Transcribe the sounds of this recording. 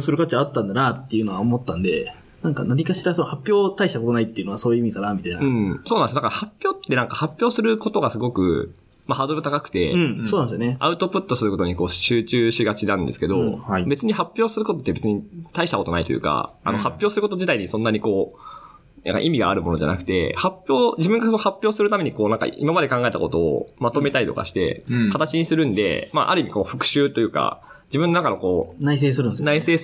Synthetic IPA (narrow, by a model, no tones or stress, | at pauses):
osɨɾɯ̟kat͡ɕiaːt̪ːãnd̪anat̪ːe̞jɯ̟noaomo̞t̪ːãnd̪e̞̰ | nãŋka̰naɲ̟ikaɕiɾasonohapʲːjo̞ːt̪aiɕi̥t̪akot̪o̞nait̪ːeiɯ̟no̞aso̞ːjɯ̟imiekanamʲit̪ainaɯ̟̃sonãnsod̪akaɾahapʲjo̞ːt̪ːe̞nãŋkahapʲjo̞ːsɨɾɯ̟ko̞t̪o̞ɡasɨɡo̞kɯ̟̰ | mahad̪oɾɯ̟t̪akakɯ̟̥t̪ẽ̞̰soːnãnsjoneaɯ̟t̪o̞pɯ̟t̪ːo̞sɨɾɯ̟ko̞t̪oɲ̟iko̞ːɕɨːt͡ɕɨːɕiɡat͡ɕinãnd̪e̞sɨ̥ke̞d̪o̞haibe̞t͡sɨɲ̟ihapʲːjo̞ːsɨɾɯ̟kot̪ot̪ːebe̞t͡sɨɲ̟it̪aiɕi̥t̪ako̞t̪o̞nait̪o̞jɯ̰ːka̰a̰no̞hapʲːjo̞ːsɨɾɯ̟ko̞t̪oʑit̪aiɲ̟isõ̞nːaɲ̟iko̞ː | nʔã̰ŋka̰ʔimʲiɡa̰ːɾɯ̟mo̞no̞ʑa̰na̰kɯ̟̥t̪e̞̰hapʲjo̞ːd͡ʑibɯ̟̃ŋɡasonohapʲːjo̞ːsɨɾɯ̟t̪ameɲ̟iko̞ːnãŋka̰ḭmamad̪e̞kãŋɡae̞t̪a̰kot̪o̞̰ːmat̪o̞me̞t̪aɾʲit̪o̞ka̰ɕi̥t̪e̞̰kat̪at͡ɕiɲ̟isɨɾɯ̟̃nd̪e̞̰ma̰ʔa̰ɾɯ̟imʲiko̞ːɸɯ̟̥kɯ̟̥ɕɨːt̪o̞jɯ̟ːka̰ | d͡ʑibɯ̟̃nːonakano̞ko̞ːnais̬eːsɨɾɯ̟nnaise̞ː